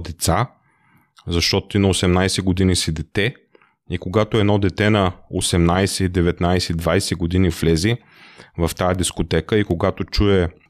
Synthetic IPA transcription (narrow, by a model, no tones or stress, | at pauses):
d̪ɛt̪sa | zɐʃt̪ɔt̪oinɐosɛmnajsɛɡod̪inisid̪ɛt̪ɛ | ikoɡat̪oɛd̪nɔd̪ɛt̪ɛnɐosɛmnajsɛid̪ɛvɛt̪najsɛid̪vajsɛɡod̪iniflɛzi | vɐft̪ajɐd̪iskot̪ɛkəikoɡat̪ot͡ʃuɛ